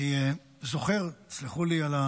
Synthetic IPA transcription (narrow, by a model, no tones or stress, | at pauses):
ie | zo̞χe̞ʁti̥t͡sliχuliala